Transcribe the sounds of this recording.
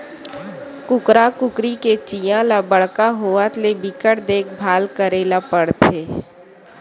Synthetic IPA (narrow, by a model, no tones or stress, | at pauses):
kʊkɾakʊkɾiket͡ʃijãlabəɽ̤kaɦoːat̪lebɪkəʈd̪eːk̚ʰbʱaːlkəɾeːlapəɽt̪ʰeː